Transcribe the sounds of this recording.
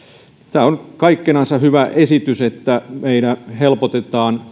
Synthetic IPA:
t̪æːonkɑikːenɑnsɑhyʋæʔesit̪yset̪ːæmeidæhelpot̪et̪ɑːn

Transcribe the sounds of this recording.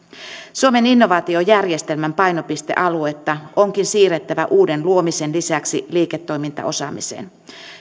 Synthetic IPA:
suome̞ninːo̞ʋɑːt̪io̞jærje̞st̪e̞lmæmpɑjno̞pist̪e̞̰ʔɑlue̞t̪ːɑo̞ŋkinsiːret̪ːæʋæʔuːde̞nluo̞misenlisæksiliːket̪ːo̞jmint̪ɑ̰ʔo̞sɑ̰ːmise̞̰ːn

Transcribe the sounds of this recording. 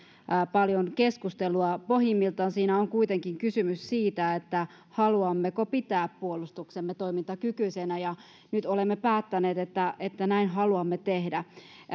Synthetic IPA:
pɑljonkeskust̪eluɑpohimːilt̪ɑnsiːnæoŋkuit̪eŋkiŋkysymyssiːt̪æet̪ːæ | hɑluɑmːekopit̪æːppuolust̪uksemːet̪oimint̪ɑkykysenæjɑ | nyt̪olemːepæːt̪ːæneːt̪et̪ːæet̪ːænæinɦɑluɑmːet̪ehdæ

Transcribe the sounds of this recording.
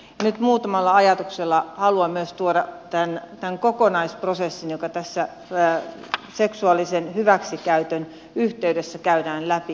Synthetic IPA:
jɑnyt̪muːt̪ɑmɑlːɑɑjɑt̪ukselːɑhɑluɑmyøst̪uoɾɑt̪ænt̪æŋkokonɑisprosesːinjokɑt̪æsːæ | seksuɑlːisenhyʋæksikæyt̪øn | yht̪eydesːækæyɾæːnlæpi

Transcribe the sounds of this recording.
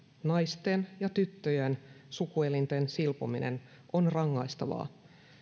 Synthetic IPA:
nɑjst̪enjɑt̪yt̪ːøjensukuelint̪ensilpo̰minʔḛn | onrɑŋːɑjst̪ɑʋɑ̰ː

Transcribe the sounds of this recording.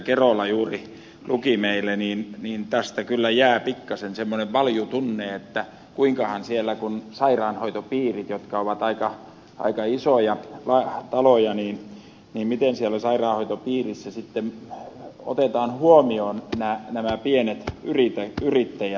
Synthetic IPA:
kerolːˑɑjuːri | lukimeilːˑeniːnniːnt̪æst̪ækylːæjæːpikːɑsensemːoneʋʋɑljut̪unːeːet̪ːæ | kuiŋkɑhɑnsielːækunsɑirɑːnhoit̪opiːrit̪jot̪kɑoʋɑt̪ɑikɑ | ʔɑ̰ikɑisojɑlɑt̪ɑlojɑniːn | niːmmit̪ensielːolʲisɑirɑːhoit̪opiːrisːæsit̪ːem | o̰t̪et̪ɑːnhuomioːnnænæmæpienet̪yrit̪æyrit̪ːæjæ

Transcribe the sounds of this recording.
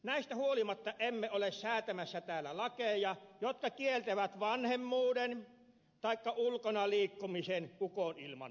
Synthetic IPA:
næist̪æhuolimɑt̪ːɑʔemːeolessæːt̪æmæsːæt̪æːlːˑælɑkejjɑjot̪kɑkielt̪eʋæt̪ʋɑnhemːuːden | t̪ɑikːɑulkonɑliːkːumisenukonilmɑ̰n

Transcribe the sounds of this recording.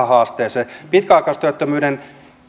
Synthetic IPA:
ɑhɑːst̪eːsepit̪kæɑˑkɑˑst̪yæt̪ːømyːden

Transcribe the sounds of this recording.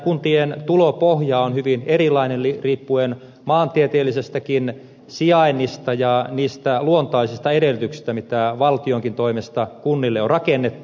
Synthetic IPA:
kunt̪ient̪ulopohjɑonhyʋinerilːˑɑinenliriːpːuen | mɑːnt̪iet̪eːlːisest̪ækin | siɑinːist̪ɑjɑniːst̪æluont̪ɑisist̪ɑedelyt̪yksi̥st̪æmit̪æʋɑlt̪ioŋkint̪oimest̪ɑkunːilːeorrɑkenːet̪ːu

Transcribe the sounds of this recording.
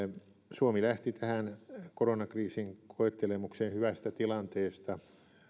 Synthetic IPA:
suomilæht̪it̪ʰæhænkoronɑkriːsiŋkʰoet̪ːelemuksenhyʋæst̪æt̪ilɑnt̪eːst̪ɑ

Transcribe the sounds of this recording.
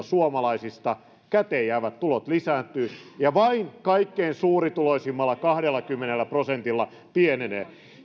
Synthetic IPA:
suomɑlɑisist̪ɑ | kæt̪eːjæːʋæt̪t̪ulot̪lisæːt̪ːˑyːjɑʋɑiŋkɑikːeinsuːrit̪uloisimːɑlːɑkɑhɾelːɑkymːenelːæprosent̪ilːɑ | pienenḛː

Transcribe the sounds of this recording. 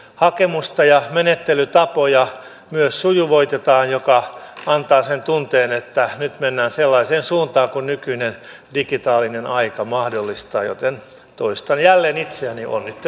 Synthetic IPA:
hɑkemust̪ɑjɑmenet̪ːelyt̪ɑpojɑ | myøssujuʋoit̪et̪ɑːnjokɑɑnt̪ɑːsent̪unt̪eːnet̪ːænyt̪menːæːnselːɑiseːnsuːnt̪ɑːŋkunnykyinen | dikit̪ɑːlinenɑikɑmɑhdolːist̪ɑ̰ːjo̰t̪en | t̪oist̪ɑnjælːeːnit̪seæniʔo̰nnit̪ː

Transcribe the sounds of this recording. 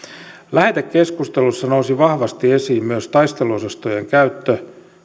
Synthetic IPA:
læhet̪ekke̞skust̪elusːɑnousiʋɑhʋɑst̪iesiːmmyøst̪ɑist̪eluosɑst̪ojeŋkæyt̪ːø

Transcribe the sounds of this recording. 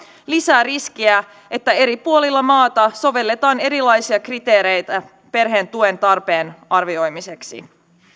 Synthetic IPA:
lisæːrisk̟iæ | ʔe̞t̪ːæe̞ɾipuo̞lilːɑmɑːt̪ɑso̞ʋe̞lːet̪ɑːne̞ɾilɑjsiɑkrit̪e̞ːɾe̞jt̪æ | pe̞rɦe̞ːnt̪ue̞nt̪ɑrpe̞ːnɑrʋio̞jmise̞ksḭ

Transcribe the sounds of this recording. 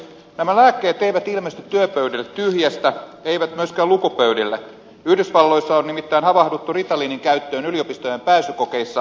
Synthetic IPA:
næmælæːkːeːt̪eiʋæt̪ilmest̪yt̪ːyøpøydilːet̪tyhjæst̪æeiʋæt̪myøskæːlukupøydilːæ | yhdysʋɑlːo̞isːɑonnimit̪ːæinhɑʋɑhdut̪ːurit̪ɑliːniŋkæyt̪ːø̞ːnyliopist̪ojempæːsykokeisːɑ

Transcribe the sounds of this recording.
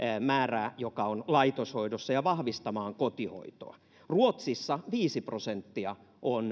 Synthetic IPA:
mæːræːjokɑonlɑit̪oshoidosːɑjɑʋɑhʋist̪ɑmɑːŋkot̪iho̰it̪o̰ɑ | ruot̪sisːɑʋiːsiprosent̪ːiɑ | ʔon

